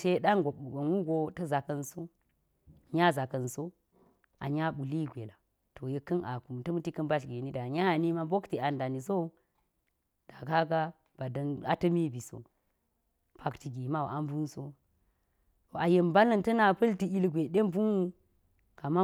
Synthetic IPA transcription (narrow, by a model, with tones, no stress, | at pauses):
se˦ɗa˦nɡo˨ɓu˨bɐ˨nwu˦ɡo˨tɐ˦za˨kɐ˦nso˦˨ | ɲa˦za˨kɐ˨nso˦ | a̰˨ɲa˦ɓu˨li˦ɡʷe˨la˨ | to˨je˦kɐ˦nʔa̰˨ku˨mtɐ˦mu˦ti˦kɐ˦nba˦ɬɡe˨ni˦da˨ɲa˦˨ni˦ma˦bo˦kti˨a˨nda˨ni˨zo˦ | d̥a˨ka˦ɡa˦ | b̥a˨dɐ˦na̰˦tɐ˦mi˦bi˨so̰˨ | pʰa˨kti˨ɡi˨ma˦o̰˨a˦m˦bu˦nso˦ | o˨a˨je˨mba˦lɐ˦˨ntɐ˦na˨pɐ˦lti˨i˦lɡʷe˨ɗe˦mbu˦nu˦ | ka˨ma˦